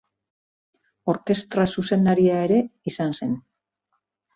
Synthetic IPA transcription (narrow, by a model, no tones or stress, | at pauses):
o̞ɾke̞st̪ɾasuse̞nd̪aɾiae̞ɾe̞isanse̞n